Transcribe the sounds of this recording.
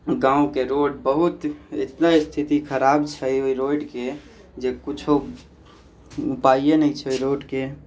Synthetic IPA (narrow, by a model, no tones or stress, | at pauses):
ɡãũkeɾoɖbəɦut̪ḛt̪naist̪ʰit̪ikʰəɾabt͡ʃʰɛoiɾoiɖke | d͡ʒekut͡ʃʰo | upaienɛit͡ʃʰɛoiɾoɖke